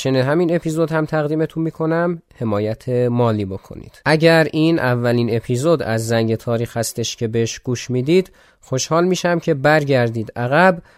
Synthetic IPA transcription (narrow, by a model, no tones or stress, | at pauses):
t͡ʃʰeneɦæmine̞pʰiːzod̪hæmt̪ʰæɣd̪iːmet̪ʰunmiːkʰo̞næmhe̞mɒːjæt̪ʰemɒːliːbo̞kʰo̞̰nḭd̪̥ʔæɟæɾʔiːnʔævːæliːne̞pʰiːzod̪æ̰zːæŋɟe̞t̪ʰɒːɾiːxhæst̪e̞ʃcʰe̞beeʃɡ̥uːʃmiːd̪iːd̪̥ | xo̞ʃhɒːlmiːʃæmcʰe̞bæɾɟæɾd̪iːd̪ʔæɣæb